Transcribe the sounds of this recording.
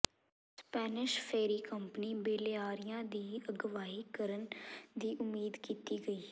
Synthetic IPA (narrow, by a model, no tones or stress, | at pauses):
spɛːnɪʃpʰeːɾiːkəmpəniːbeːleaːɾɪjãːd̪iːəɡəʋaːɦiːkəɾənd̪iːʔʊmiːd̪kiːt̪iːɡəiː